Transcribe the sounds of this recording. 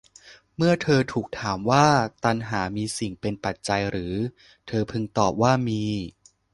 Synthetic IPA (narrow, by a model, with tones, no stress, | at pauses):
mɯ˥˩ɐt̪ʰɤː˧t̪ʰuː˨˩k̚t̪ʰaː˩˦mwaː˥˩t̪a˧nɦaː˩˦miː˧si˨˩ŋpe˧npa˨˩t̪̚t͡ɕa˧jɾɯː˩˦ | t̪ʰɤː˧pʰɯ˧ŋt̪ɔː˨˩p̚waː˥˩miː˧